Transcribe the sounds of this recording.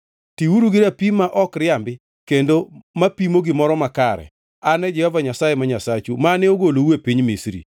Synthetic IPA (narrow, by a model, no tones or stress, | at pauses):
tiwuɾuɡɪɾapimaʔɔkɾɪambɪ | kendomapimoɡɪmɔɾɔmakaɾɛ̰ | anɛd͡ʒɛhɔvaɲasajemaɲasat͡ʃumaneoɡolowepiɲmisɾḭ